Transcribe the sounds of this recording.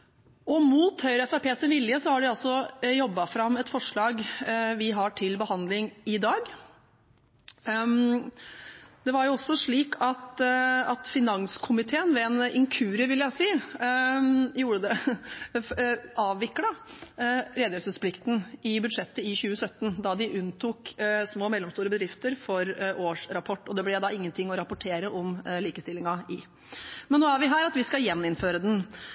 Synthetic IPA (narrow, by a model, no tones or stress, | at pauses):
ɔmuːt̪hœʏɾəɛfæpʰeːsʋɪljəsɔhɑɖɪɑlsɔjɔbːɑfɾɑmːɛt̪fɔʂɭɑːɡʋɪɦɑʈʰɪlbəhɑnd̪lɪŋɪd̪ɑːɡ | d̪̥ɛʋɑɾjʊɔsːɔʂɭiːkʰɑt̪ɑt̪fɪnɑŋskʰʊmɪt̪ʰeːənʋɛɛnɪŋkʰʉːɾəʋɪljæɪsiː | juːɾəd̪ɛ | ɑːʋʋɪkːɽɑ | ɾeːd̪əɛlsəspʰlɪkt̪n̩ɪbʉd̪ʂɛt̪ːəɪçʉːəsœt̪ːnd̪ɑd̪ɪʔʉnt̪ʰuːksmoːmɛlːɔmst̪uːɾəbəd̪ɾɪft̪əɾfɔɾʔoːʂɾɑpʰɔʈːɔd̪ɛblɛd̪ɑɪŋːənt̪ʰɪŋːɔɾɑpʊʈʰeːɾəʔɔmliːkəst̪ɪlːɪŋɑɪ | mɛnoːæɾʋɪɦæːɾɑt̪ʋɪskɑjɛnːɪnføːɾəd̪ɛn